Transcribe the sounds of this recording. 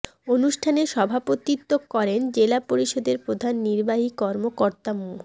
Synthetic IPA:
onuʃʈʰaneʃɔbʱapot̪it̪ːokkɔɾend͡ʑelapoɾiʃod̪eɾpɾod̪ʱanːiɾbaɦikɔɾmokoɾt̪amu

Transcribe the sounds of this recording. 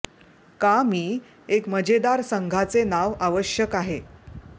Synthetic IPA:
kamiː | ekməd͡ʑed̪aɾsəŋɡʱat͡senaʋaʋəɕjəkaɦe

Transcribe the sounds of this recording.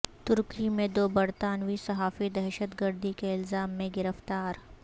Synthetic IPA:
t̪ʊɾkimẽd̪oːbɐɾt̪aːnwisɐɦaːfid̪ɛːʃət̪ɡəɾd̪ikeɪlzaːmːẽɡɪɾəft̪aːɾ

